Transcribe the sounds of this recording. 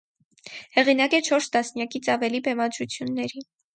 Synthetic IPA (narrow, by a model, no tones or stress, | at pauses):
hɛʁinɑkɛt͡ʃʰɔɾst̪ɑsnjɑkit͡sʰɑvɛlibɛmɑd̪ɾut͡sʰjunːɛɾi